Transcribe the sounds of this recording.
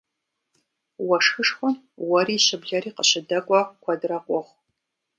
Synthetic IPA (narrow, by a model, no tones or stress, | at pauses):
wɐʂxɨʂxʷɔm | wɐriːɕɪbɮɐɾiːqəɕɪdɐkʷʼɐkʷʰɐdrɐqʷʼɔʁʷ